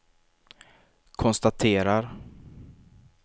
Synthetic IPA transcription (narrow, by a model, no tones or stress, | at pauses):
kʰɔnst̪at̪ʰeːɾaɾ